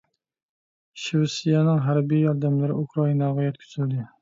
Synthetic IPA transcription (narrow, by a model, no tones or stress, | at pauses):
ʃiwsijɛnɪŋɦæɾbijjɑɾd̪æmlɪɾɪ̰ʔukʰɾɑinɑʁɑjɛt̪̚kʲʰy̥zʰyld̪ɪ